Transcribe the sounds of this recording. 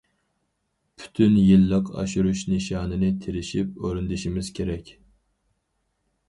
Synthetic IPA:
pʰy̥t̪ʰynjilːəqɑ̰ʃuɾuʃniʃɑːnɨnɪt̪ʰeɾɪʃipøɾynd̪ɪʃimɪz̥kʲʰeɾɛkʲ

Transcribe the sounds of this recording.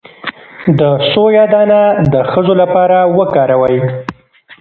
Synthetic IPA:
d̪əsojɑd̪ɑnad̪əxəzolapɑɾawəkɑɾawəj

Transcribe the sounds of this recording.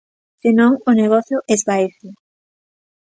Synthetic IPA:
sɪnõŋʊneɣɔθjʊʔɛzβaeθɪ

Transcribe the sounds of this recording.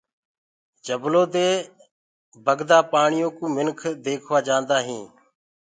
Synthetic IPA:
d͡ʒəbloːd̪eː | bəɡd̪aːpaːɳɪjõːkũːmɪnkʰd̪eːkʰʋaːd͡ʒãːnd̪aːɦĩː

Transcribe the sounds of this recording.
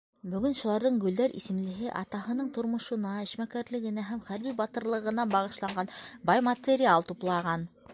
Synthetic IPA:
bɵ̆ɡɵnʃulˠɑɾðɤɴɡɵ̆ld̪æɾʔḭsɘ̆mlɘ̆ɦɘʔɑ̰t̪ɑɦɤ̆nɤɴt̪ŏɾmŏʃɤ̆nɑɘ̆ʃmækæɾlɘ̆ɡɘ̆næɦæmχæɾβibɑt̪ɤ̆ɾlˠɤ̆ʁɤ̆nɑbɑʁɤ̆ʃlˠɑɴɢɑnbɑjmɐt̪ʲeɾʲialˠt̪uplˠɑʁɑn

